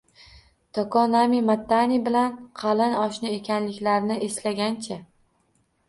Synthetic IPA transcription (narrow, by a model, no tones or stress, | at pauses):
t̪ʰɒkɒnamimat̪ːanibɪlanqʰɑlɪnɒʃnɪekʲʰanlɪkʲlaɾnɪʔeslaɡʲant͡ʃʰa